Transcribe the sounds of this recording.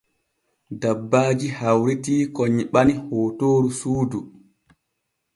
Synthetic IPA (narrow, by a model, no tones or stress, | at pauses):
dabːaːd͡ʒihawɾitiːkɔɲɓanihoːtoːɾusuːdu